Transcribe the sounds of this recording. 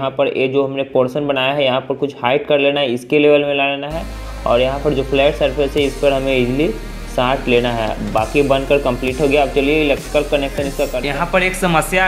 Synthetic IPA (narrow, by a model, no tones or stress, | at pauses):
ɦãpɐɾjʔḛːd͡ʒoːɦɐmnepoːɾsənbɐnaːjaɦɛjɐɦãpɐɾkʊt͡ʃʰhaːɪʈ̚kɐɾleːnaɦɛɪskeleːʋəlmẽlaːleːnaɦɛː | ɔ̰ːɾjɐɦãpɐɾd͡ʒoːpʰlɛːʈsɐɾpʰɪsɦɛɪspɐɾɦɐmẽɪd͡ʒli | saːʈ̪ʰleːnaɦɛ̰ːbaːkibɐ̃nkɐɾkɐ̃mpliːʈɦoɡjaaːp̚t͡ʃɐlieɪleːk̚ʈɾɪkəlkɐnekʃə̃nɪskakɐjɐɦãpɐɾeːksɐməsja